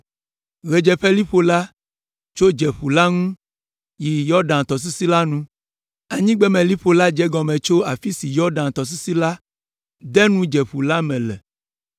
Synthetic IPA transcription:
ɣɛ˨d͡ʒɛ˨ɸɛ˦li˦ɸo˦la˦ | t͡ʃo˦d͡ʒɛ˨ɸu˨la˦ŋũ˦ | ji˨jɔ˦ɖã˨nt̪ɔ˨s̬i˦si˦la˦nũ˦ | a˨ɲĩ˦ɡ͡bɛ˦mɛ̃˨li˦ɸo˨la˦d͡ʒɛ˦ɡɔ˨mɛ̃˨t͡ʃo˦a˨fi˦si˨jɔ˦ɖã˨nt̪ɔ˨s̬i˦si˦la˦ | d̪ɛ˦nũ˦d͡ʒɛ˨ɸu˨la˦mɛ̃˨lɛ̰˨

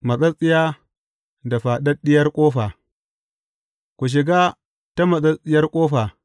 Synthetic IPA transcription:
mɐ˨t͡sʼɐ˦sʼɪ˦ja˦ | da˨ɸa˨ɗɐ˦ɗɪ˦jɐ˦ɾkʷʼoː˦ɸa˨ | kʷu˨ʃ̬i˨ɡa˦ | ta˦mɐ˨sʼɐ˦sʼɪ˦jɐ˦rkʷʼoː˦ɸa˨

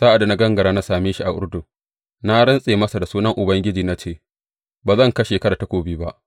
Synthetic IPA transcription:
sa˦ʔa˨da˨na˦ɡɐ˦ŋɡɐ˨ɾaː˦na˦saː˨meː˦ʃi˦ʔa˨ʔʷʊ̰˦ɽdʊ˨ | na˦ɽɪ˦nsʼeː˨mɐ˦sa˨da˨suː˦nɐ˦ŋʔʊ˨bɐ˦ŋɡʲɪ˦d͡ʒiː˨na˦t͡ʃeː˦˨ | baː˨zɐ˦˨ŋkɐ˦ʃeː˨kɐ˦ɾaː˨ta˨˦kʷoː˦biː˦ba˦ʔ

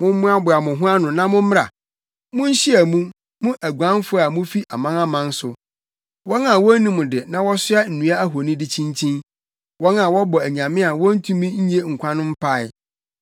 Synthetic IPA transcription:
mʊ̃˦m˦mʊ̃˦a˦bʊ˨a˨mʊ̃˨ɦʊ̃˦a˦nʊ̃˨nã˦mʊ̃˦m̩˦a̰˨ | mʊ̃˦ɲ̩˦ɕi˦æ˨mũ˦ | mʊ̃˦ʔæ˨ɡʷu˨ã˦nfʊ˦˨a˨mʊ̃˦fi˦ʔa˨mã˦na˦mã˨n˦sʊ˨ | wɔ˦nã˨wɔ˦nĩ˦mʊ̃˨dɪ˨nã˦wɔ˦sʊ˦a˦n̩˨nũ˦a˦æ˦ɦo˨nĩ˦dɪ˦t͡ɕʰĩ˦nt͡ɕʰĩ˦n | wɔ˦nã˨wɔ˦bɔ˨æ˨ɲã˨mɪ̃˦a˨wɔ̃˦n̩˦tʰũ˦mĩ˦ɲ̩˦ɲ˦e˦ŋ̩˨kʷʰã˦nʊ̃˦m̩˦pʰa˦ɪ˨

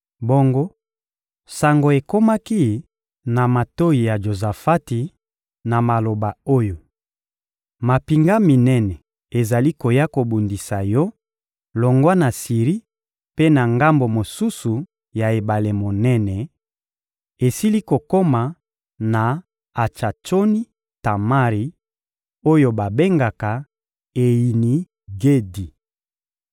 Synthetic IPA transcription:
bo˦ŋɡo˦ | sa˨ŋɡo˨e˨ko˦ma˦ki˦ | na˨ma˨to˦i˨ja˨ʒo˨za˨fa˦ti˨ | na˨ma˨lo˨ba˨o˦jo˨ | ma˨pi˨ŋɡa˦mi˨nɛ˦nɛ˨ | e˨za˨li˦ko˨ja˦ko˨bu˨ndi˨sa˨jɔ˦ | lo˨ŋɡwa˦na˨si˨ʁi˦ | pe˦na˨ŋɡa˦mbo˨mo˨su˦su˨ | ja˨e˨ba˨le˨mo˨nɛ˦nɛ˨ | e˨si˦li˦ko˨ko˦ma˨ | na˨ | a˨t͡ʃa˨t͡ʃo˦ni˦ | ta˨ma˦ʁi˨ | o˦jo˨ba˨be˦ŋɡa˨ka˨ | e˨ji˨ni˨ | ɡe˦di˨

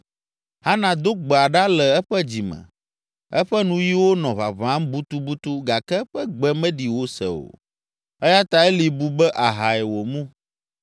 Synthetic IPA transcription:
ha˦nã˨d̪o˦ɡ͡bɛ˨a˨ɖa˦lɛ˨ɛ˦ɸɛ˦d͡ʑi˨mɛ̰̃˨ | ɛ˦ɸɛ˦nũ˦ji˦wo˦nɔ̃˨βa̰˨βã˦mbu˦t̪u˦bu˦t̪u˦ɡa˨kɛ˦ɸɛ˦ɡ͡bɛ˦mɛ̃˦ɖi˨wo˦sɛ̰˨o̰˨ | ɛ˦ja˦t̪a˨ɛ˦li˨bu˦bɛ˦ʔa˨ɦa˨ɛ˨wo˨mũ˦

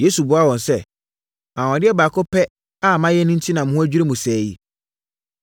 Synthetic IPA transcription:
je˦su˨bʊ˨˦a˦wɔ̃˨nsɛ˦ | ã˨wɔ̃˨dɪ˦ɛ˦baː˨kʰʊ˦pʰɛ˦ | a˦˨mã˦jɛ˦nĩ˦n̩˦tʰi˦nã˨m̩̃˦hʊ̃˦æ˦d͡ʑᶣi˦ɾe˦mũ˨sɛː˨ji˦

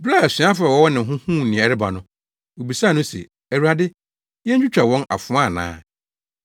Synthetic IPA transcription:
bla˦˨ɛ˨sĩ˨˦a˦fʊ˨ɾɛ˨wɔ˦wɔ˦nɪ̃˨ɦʊ̃˦hũː˦˨nĩ˨ɛ˨ɾɪ˦ba̰˨nʊ̃˦ | wo˨bi˨saː˦˨nʊ̃˦sɛ̰˨ | æ˨wu˨ɾa˨dɪ˦ | jɛ˦ɲ˦d͡ʑᶣu˦t͡ɕᶣa˨wɔ̃˦na̰˨fʊ̃˦a˦˨nã̰ː˦

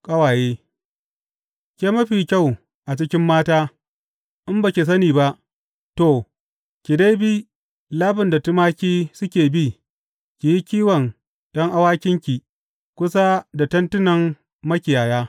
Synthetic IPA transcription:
kʼɐ˦waː˨jeː˦ | kʲe˦mɐ˦ɸiː˨kʲa˦˨w | ʔa˨t͡ʃɪ˦kʲɪ˦mːaː˦taː˦ | ʔɪ˦mba˨kʲi˨s̬ɐ˦niː˨ba˦ʔ | to˨ | kʲɪ˨deː˦biː˦ | laː˦bɪ˨nda˨tʊ˦maː˦kʲiː˦sʊ˦kʲeː˨bi˦ | kʲi˨ji˦kʲiː˦wɐ˨n | d̥ɔ˦ŋʔa˦waː˦kʲɪ˦ŋkʲi˨ | kʷʊ˦s̬a˦da˨tɐ˦ntʊ˦nɐ˨ŋː | ɐ˦kʲɪ˨jaː˨jaː˦

